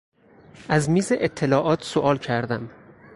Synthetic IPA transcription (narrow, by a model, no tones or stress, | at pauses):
ʔæzmiːzeʔet̪ʰːelɒːʔɒːt̪ʰsoʔɒːlcʰæɾd̪æm